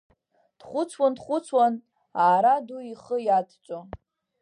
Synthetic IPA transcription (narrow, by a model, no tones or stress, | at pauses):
d̥χʷʊt͡sʰwandχʷʊt͡sʰwan | aːɾaduiχəjatʰt͡ʃʷʼo